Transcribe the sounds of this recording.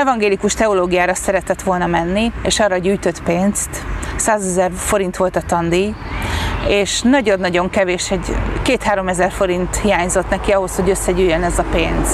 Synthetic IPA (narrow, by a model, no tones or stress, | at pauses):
ɛvɒŋɡeːlikuʃt̪ɛoloːɡijaːɾɒsɛɾɛt̪ɛt̪ʋo̞lnɒmɛnːieːʃɒːrɒɟyːjt̪ø̞t̪peːnst̪saːzɛzɛrfo̞ɾint̪ʋo̞lt̪ɒt̪ɒnd̪ij | eːʃnɒɟo̞nːɒɟo̞ŋkɛveːʃɛɟkeːt̪haːɾo̞mɛzɛrfo̞ɾint̪hijaːɲzo̞t̪nɛkiɒɦo̞sho̞ɟø̞sːɛɟyːjːønɛzɒpeːnz̥